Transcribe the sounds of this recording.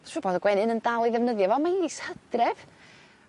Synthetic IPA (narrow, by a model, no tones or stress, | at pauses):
sɔbɔdəɡwɛnɨnəndalˠiðɛvnəðjɔvɔmaiishəd̥rɛv̥